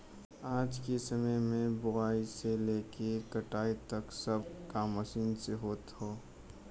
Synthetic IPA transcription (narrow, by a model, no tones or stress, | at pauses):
aːd͡ʒkesəməjmẽbʊaːiseleːkekəʈaːit̪ɐksəb̚ʱkaməʃiːnseɦoːt̪ɦoː